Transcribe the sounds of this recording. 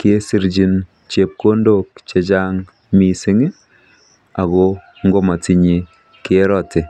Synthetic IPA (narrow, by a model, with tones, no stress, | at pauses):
ke˦si˦ɾd͡ʒi˨n | t͡ʃe˨p̚ko˦ndo˨k̚t͡ʃe˨t͡ʃa˦ŋ | mi˨si˦ŋi˦ | a˨ɣo˦ | ŋɡo˦ma˨ti˨ɲi˨ | ke˦ɾɔ˨tɪ˨